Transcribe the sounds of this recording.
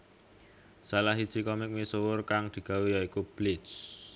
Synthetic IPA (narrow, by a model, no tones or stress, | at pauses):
salaɦid̥ʒ̥i̤kɔmɪk̚misowʊrkaŋd̪̥i̤ɡ̥a̤wijaikub̥lɪ̥s